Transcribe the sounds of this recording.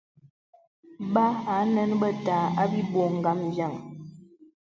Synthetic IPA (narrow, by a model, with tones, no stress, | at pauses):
ba˦a˨˦nə˦nbə˦ta˨˦a˦bi˦bo˨ŋ̩˨ɡa˦m˨d͡ʒa˦˨ŋ